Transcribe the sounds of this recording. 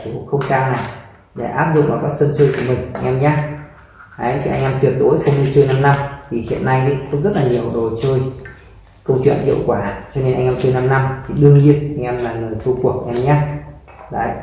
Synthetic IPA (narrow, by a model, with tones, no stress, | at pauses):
i˧˩˨xə˧wŋ͡mkaː˧wna˨˩j | ɗe˧˩ʔaː˦˥p̚zʊ̰˧˨ŋ͡mʔaː˨˩ɓaː˦˥t̚sə˧nt͡ɕəː˧jku˧˩əmï˨˩ŋ̟ʔa˧jŋ̟ʔɛ˧mɲaː˧˦ | ʔa˨˦t͡ɕḭ˧ʔa̰˧jŋ̟ʔɛː˧mt̪wi˨˩ət̚ɗo˨˦jxo˧mɲi˧t͡ɕəː˧jna˧mna˧mt̪ʰi˨˩hḭ˧˨ənːa˧jʔḭ˧˥˦kɔ˨˦zə˦˥t̚laː˨˩ɲi˨˩əwɗo˨˩t͡ɕəː˧j | kə˧wt͡ɕwḭ˧˨ənhḭ˧əwkwaː˧˩t͡ɕɔ˧ne˧nʔa˧ŋʔɛ˧mt͡ɕəː˧jna˧mna˧mt̪ʰi˨˩ɗɨ˧əŋɲi˧ənʔa˧jŋ̟ʔɛ˧mlaː˨˩nləː˨˩jt̪ʰu˧ku˨˩ək̚ʔa˧ŋʔɛ˧mɲaː˧ | la̰ː˧˨˦j